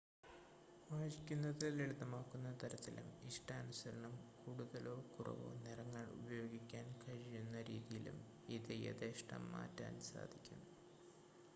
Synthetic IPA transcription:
ʋaːʂikʲːunːɐðɨeɭud̪ɐmaːkːunːɐt̪ɐɾɐt̪ːilumiʂʈaːnusɐɾɐɳɐmkuːɽuðɐlo̞ːkurɐ̰ʋo̞̰ːnirɐŋːɐɭṵbɐjo̞ːɡikʲːaːnkʰɐɻijunːɐɾiːðijilṵm | iðɨjḛðeːʂʈɐ̰mːa̰ːtːa̰ːnsa̰ːd̪ʱikʲːunːu

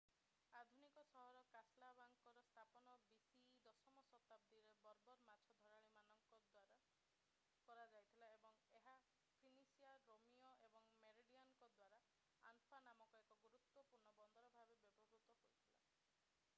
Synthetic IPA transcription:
ad̪ʱunikɔsɔɦɔɾɔkaslabaŋkɔɾɔst̪ʰapɔnɔbisid̪ɔsɔmɔsɔt̪ab̚d̪iɾebɔɾbɔɾmat͡ʃʰɔd̪ʱɔɾaɭimanɔŋkɔd̪waɾa | kɔɾad͡ʒajt̪ʰilaebɔŋeɦa | pʰinisiaɾomiɔebɔŋmeɾiɖiankɔd̪waɾa | a̰nfʰanamɔkɔekɔɡuɾut̪wɔpuɾɳɔbɔnd̪ʱɔɾɔbʱabebjɔbɔbɾut̪ɔkoɾit̪ʰila̰

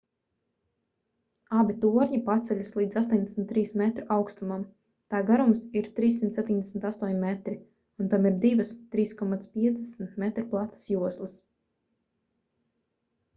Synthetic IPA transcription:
abit̪uɔɾɲipat̪sɛʎʲaslˠiːd̪zast̪ɔnd̪ɛsm̩t̪ːɾiːsmɛt̪ɾuʔawkst̪umam | t̪aːɡaɾumsiɾt̪ɾiːsːimt̪sɛp̚ʲt̪iɲʲd̪ɛsmnʲt̪ast̪uɔɲmɛt̪ɾi | unt̪amiɾd̪ivast̪ːɾiːskɔmat̪spiɛzd̪ɛsm̩t̪mɛt̪ɾplˠat̪ə̥sjuɔslˠɨs

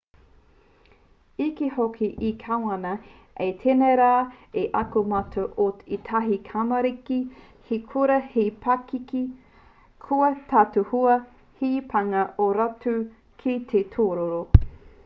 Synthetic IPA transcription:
ikihokʰiʔikʰawɐnɐ | etʰeneɾaːeʔɐkumɐtʰoʔoit̪ʰɐɦikʰamɐɾiki | hikʰuɾɐhipʰakiki | kʰuɐtʰatuhuɐ | hipʰaŋɐʔoɾatu | kʰit̪ʰetʰoːɾoɾo

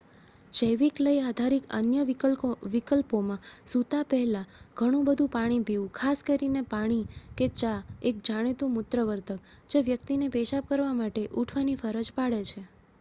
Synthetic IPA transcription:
ʃəjʋikləiad̪ʱaɾikə̰njəʋikəlpomãsut̪apɛɦlaɡ̥ʱəɽ̃ũbəd̪ʱũpaɽ̃ibʱiʋũkʰaskəɾinepaɽ̃iket͡ʃaek̚d͡ʒaɽ̃et̪ũmʊt̪ɾəʋəɾt̪ʰək | d͡ʒeʋjək̚t̪inepeʃap̚kəɾʋamaʈeʔuʈʰʋanifəɾəd͡ʒpaɽet͡ʃʰe

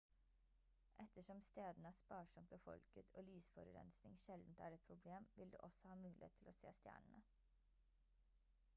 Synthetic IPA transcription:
ʔɛt̪əʂɔmst̪eːd̪nəæːspɑːʂɔmt̪ʋeːfɔ̰lkət̪ʰoːlyːsfɔɾʉɾɛ̰nsnɪŋʃɛld̪n̩t̪æːɾɛt̪̚pʰɾʊbleːmʋɪld̪ʉ̰ːʔɔsɔhɑːmʉːlɪhḛːt̪ʰːɪloːsḛːst̪jæ̰ːɳəɳə

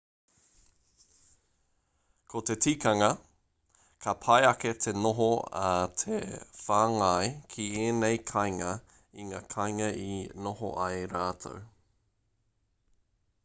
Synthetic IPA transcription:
kʰot̪etʰiːkɐŋɐ | kʰɐpʰɐjɐket̪ʰenoɦoat̪ʰḛfaːŋajkʰieːnejkʰajŋɐ | iŋa̰ːkʰajŋɐinoɦo̰ʔajɾaːt̪ʰo̰w

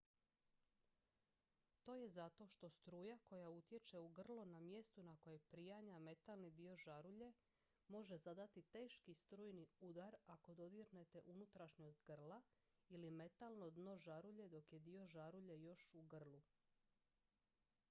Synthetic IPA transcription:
t̪o̞ːje̞zat̪o̞ʃt̪o̞st̪ɾuːjako̞jaut̪je̞t͡ʃe̞uɡr̩lˠonamje̞st̪unako̞jepɾijaɲame̞t̪alnid̪io̞ʒaɾuʎe̞ | mo̞ʒe̞zad̪at̪it̪e̞ːʃkist̪ɾuːjniud̪aɾako̞d̪o̞d̪iɾne̞t̪e̞ʔunut̪ɾaʃɲo̞st̪ɡr̩lˠa | ilime̞t̪alˠno̞d̪no̞ʒaɾuʎe̞d̪o̞kje̞d̪io̞ʒaɾuʎe̞jo̞ʃuɡr̩lˠu

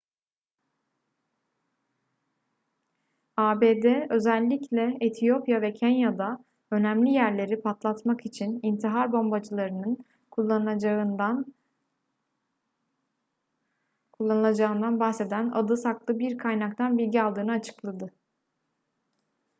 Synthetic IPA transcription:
aːbed̪ɛø̞zælʲːiclʲɛet̪ʰijo̞pjavɛcʰenjad̪a | ø̞næmlʲijæɾlʲe̞ɾipʰat̪lˠat̪makit͡ʃʰinint̪ʰiɦaɾbo̞mbad͡ʒɯlˠaɾɯnɯn | kʰu | kʰulˠːanɯlˠad͡ʒaɯnd̪anbaxse̞d̪æna̰d̪ɯsaklˠɯbiɾkʰajnak̚t̪ʰanbilʲɟialˠd̪ɯːnɯat͡ʃʰɯ̥klˠad̪ɯ

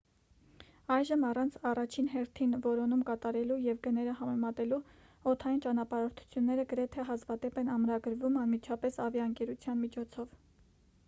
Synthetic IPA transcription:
ɑjʒəmɑrɑnt͡sʰɑrɑt͡ʃʰinɦɛɾt̪ʰinvɔɾɔnumkɑt̪ɑɾɛlujɛvɡənɛɾəhɑmɛmɑt̪ɛlu | ɔt̪ʰɑjint͡ʃɑnɑpɑɾɔɾt̪ʰu̥t͡sʰjunːɛɾəɡəɾɛt̪ʰɛɦɑzvɑd̪ɛpɛnɑmɾɑɡəɾvumɑnmit͡ʃʰɑpɛsɑvjɑəŋkɛɾut͡sʰjɑnmit͡ʃʰɔt͡sʰɔv

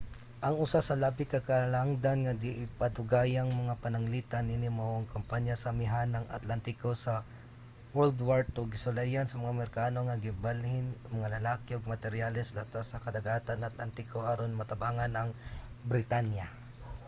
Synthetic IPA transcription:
ʔɐŋʊsasɐlabɪkɐkalaŋd̪anŋad̪ɪʔɪpɐd̪ʊɡaːjaŋmɐŋapɐnɐŋlit̪aninɪmoʔɐŋkɐmpaɲjasɐmɪɦanːɐŋɐ̰t̪lant̪ɪkosɐ | wɛld̪waɹt̪ʊɡɪsʊlajansɐmɐŋamɛɾkaːno̞ŋɐɡɪbalhɪnmɐŋalɐlaːkɪoɡ̚mɐt̪ɛɾjalɛslat̪asɐkɐd̪ɐɡaːt̪anʔat̪lant̪ɪkoʔaɾonmɐt̪ɐbaːŋanɐŋ | bɾɪt̪anja

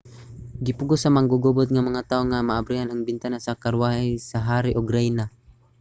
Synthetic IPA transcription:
ɡɪpʊɡʊsamaŋɡʊɡʊbʊt̪̚ŋamɐŋat̪aoŋamaʔabɾihanaŋbɪnt̪anasakaɾwahisaɦaːɾiʔoɡɾɛjna

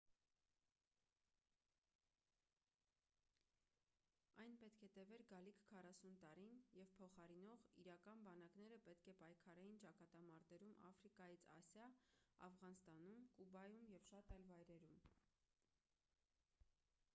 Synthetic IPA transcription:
ɑjnpɛt̪kʰɛt̪ɛvɛɾɡɑlikʰkʰːɑrɑsunt̪ɑɾinjɛvpʰɔχɑɾinɔʁḭɾɑkɑnbɑn̪ɑknɛɾəpɛt̪kʰɛpɑjkʰɑɾɛjint͡ʃɑkɑt̪ɑmɑɾt̪ɛɾumɑ̰fɾikɑjit͡sʰɑsjɑɑ̰vʁɑnst̪ɑnumkubɑjumjɛvʃɑt̪ɑjlvɑjɾɛɾum

